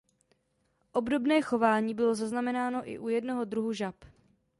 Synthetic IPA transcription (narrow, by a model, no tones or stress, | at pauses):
ʔo̞bdo̞bnɛːxo̞vaːɲiːbɪlo̞zaznamɛnaːno̞ʔɪ̰ʔujɛdno̞ɦo̞dɾuɦuʒap